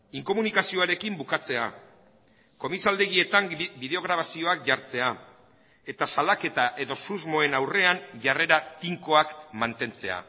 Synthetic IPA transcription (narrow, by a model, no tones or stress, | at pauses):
iŋko̞munikasio̞aɾe̞kimbukat͡se̞a̰ | ko̞misald̪e̞ɣie̞t̪ambið̞e̞o̞ɣ̞ɾaβasio̞akʝaɾt͡se̞a | e̞t̪asalake̞t̪aʔe̞ðo̞suzmo̞e̞nawre̞anʝare̞ɾat̪iŋko̞akmant̪e̞nt͡se̞a̰